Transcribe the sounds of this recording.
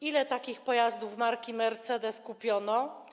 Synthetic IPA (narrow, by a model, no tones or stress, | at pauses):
ilɛt̪akʲixpɔjazd̪uvmaɾkʲimɛɾt̪sɛd̪ɛskupʲjɔnɔ